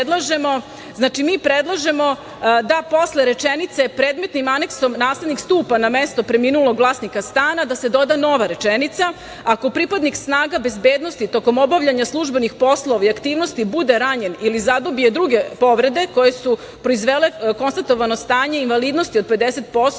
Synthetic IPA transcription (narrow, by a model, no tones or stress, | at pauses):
d̪lˠaʒe̞mo̞ | znaːt͡ʃimiːpɾed̪lˠaʒe̞mo̞ | d̪apo̞sleɾe̞t͡ʂenit̪se̞pɾeːd̪met̪nimane̞kso̞mnaːsled̪nikst̪uːpanamest̪o̞pɾe̞miːnulˠo̞ɡʋlˠaːsnikast̪aːnad̪ase̞d̪o̞d̪ano̞ʋaɾe̞t͡ʃenit̪sa | ako̞pɾipad̪niksnaːɡabe̞zbeːd̪no̞st̪it̪o̞ko̞mobaʋʎaɲaslˠuʒbe̞nixpo̞slˠoʋaiakt̪iːʋno̞st̪ibud̪e̞ɾaɲe̞nilizad̪obijed̪ɾuɡe̞po̞ʋɾe̞d̪e̞ko̞jesu | pɾo̞izʋele̞ko̞nst̪at̪o̞ʋano̞st̪aːɲe̞inʋaliːd̪no̞st̪io̞d̪̚pe̞d̪eset̪̚po̞st̪